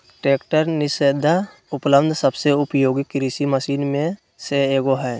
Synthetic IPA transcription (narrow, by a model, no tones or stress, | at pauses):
ʈɾeːkʈəɾnɪsed̪ʱa | ʊpləbd̪ʱsəbseʊpjoːɡikɾɪsiməsiːnmẽ | seeːɡoɦɛː